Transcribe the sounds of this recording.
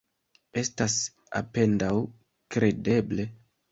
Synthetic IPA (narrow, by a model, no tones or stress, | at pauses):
e̞stas | a̰pe̞ndaw | kɾe̞de̞ble̞